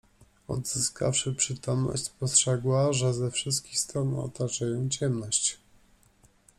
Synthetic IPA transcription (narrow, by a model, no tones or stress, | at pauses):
ɔ̰d̪z̥ɘska̰fʂɘpʂɘt̪ɔmnɔ̰ɕt͡ɕʲspɔstʂɛɡwaʐɛzɛfʂɘs̬t̪̚kʲixst̪ɾɔnɔ̰t̪at͡ʂajɔ̃w̃t͡ɕɛmnɔɕt͡ɕ